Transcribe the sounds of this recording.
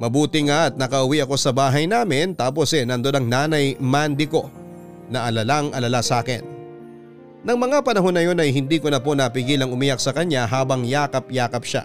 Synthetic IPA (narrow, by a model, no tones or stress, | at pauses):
mɐbuːt̪ɪŋɐt̪̚nɐkɐʔʊwiʔɐko̞sɐbaːɦɐjnaːmɪnt̪aːp̬o̞sɛnɐnd̪od̪ɐŋnaːnɐjmand̪ɪko̞ | nɐʔɐlɐlaŋʔɐlɐlasaːkɪ̰n | ɐŋmɐŋapɐnɐɦo̞nːɐjo̞nɐjhɪnd̪iːkonɐpo̞nɐpɪɡiːlɐŋʊmɪjak̚sɐkɐɲaɦaːbɐŋjaːkɐpjaːkɐp̚ʃa̰